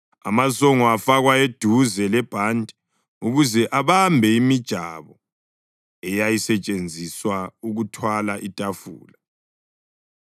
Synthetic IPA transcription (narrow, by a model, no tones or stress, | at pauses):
a̰masɔŋɔafaɣwaed̥ʱuzɛlɛb̥ʱandʱʼɛ | uɣuzɛʔaβambʱɛimid̥ʒ̥ʱaβɔ | ɛjajisɛt͡ʃʼend͡zʱiswauɣutʰwalaʔitʼafṵːla